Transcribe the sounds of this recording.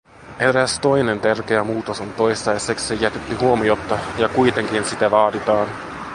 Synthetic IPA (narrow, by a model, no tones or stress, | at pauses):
e̞ɾæst̪o̞jne̞nt̪ærk̟eæmuːt̪osont̪o̞jst̪ɑjsekssejæt̪et̪ːyhuomiot̪ːɑjɑkujt̪e̞ŋkinsit̪æʋɑːdit̪ɑːn